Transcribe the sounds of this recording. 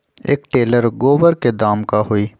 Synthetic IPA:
ḛːkʈeːləɾɡoːbəɾked̪aːmkaɦoiː

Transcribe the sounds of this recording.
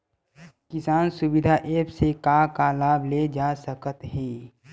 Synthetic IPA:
kɪsaːnsʊbɪd̪ʱaʔeːpsekakalaːbʱled͡ʒaːsəkət̪ɦɛː

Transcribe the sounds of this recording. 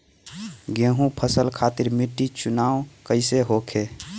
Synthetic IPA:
ɡẽɦũpʰəsəlkʰat̪iɾmiʈːit͡ʃunaokəɪseɦokʰe

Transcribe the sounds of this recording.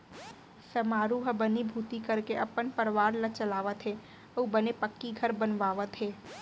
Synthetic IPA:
sɐmaːɾuɦɐbɐnibʱuːt̪ikɐɾkeʔɐpənpəɾʋaːɾlɐt͡ʃɐlaːʋət̪ɦeː | ubɐnepɐkːiɡʱɐɾbɐnʋaːʋət̪ɦeː

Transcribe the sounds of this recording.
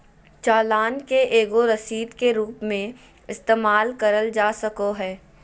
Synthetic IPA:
t͡ʃaːlaːnkeʔeːɡoɾɐsiːd̪keɾuːpmẽ | ɪst̪eːmaːlkɐɾəld͡ʒaːsɐkoɦɛː

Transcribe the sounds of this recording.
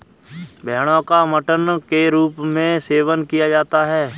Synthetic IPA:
bʱɛːɽ̃õkaməʈənkeɾuːpmẽseːʋənkijad͡ʒaːt̪aɦɛː

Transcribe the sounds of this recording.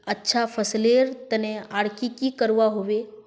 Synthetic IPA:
ətːʃʰafʰəsleɾt̪əneaɽkikikəɾʋaɦoʋe

